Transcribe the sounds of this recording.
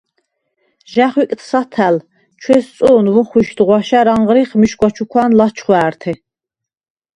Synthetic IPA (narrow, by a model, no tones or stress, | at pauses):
ʒæχwikʼt̪ʰsat̪ʰæl | t͡ʃʰwɛst͡s̪ʼuːnvuχwiʃd̪ʁwaʃæɾaɴʁɾiχmiʃɡʷʼat͡ʃʰukʷʰwanlat͡ʃʰχwæːɾt̪ʰɛ